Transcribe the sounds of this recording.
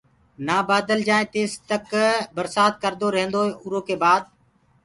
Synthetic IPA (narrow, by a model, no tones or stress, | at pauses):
naːbaːd̪əld͡ʒaːẽːt̪eːst̪əkbəɾsaːt̪̚kəɾd̪oːɾəɦə̃nd̪oːɦeːʔʊɾoːkeːbaːd̪̚